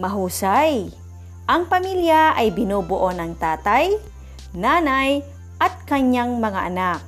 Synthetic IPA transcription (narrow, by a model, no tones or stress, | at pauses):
mɐɦuːsaj | ʔɐŋpɐmiljaʔɐjbɪnuːbʊʔonɐŋt̪aːt̪aj | naːnaj | ʔɐt̪̚kɐɲaŋmɐŋaʔɐnak̚